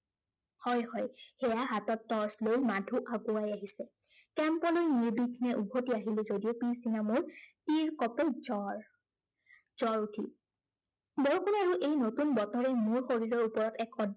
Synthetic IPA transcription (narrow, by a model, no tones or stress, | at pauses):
hɔjhɔjxɛjaɦatɔtːɔɹslojmadʱuʔaɡʊajaɦisɛkɛmpɔlojniɹbiɡʰinɛʔubʱotiaɦilɛzodiopisdinamʊɹtiɹkɔpɛzɔ | z̥ɔɹutʰḭ | bɔɹukʰunaɹuʔejnotunbɔtɔɹɛmʊɹxoɹiɹɔɹupɔɹɔtɛkʰɔ